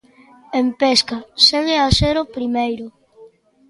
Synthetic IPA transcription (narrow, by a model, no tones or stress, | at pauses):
empeskaseɣeaseɾopɾimejɾʊ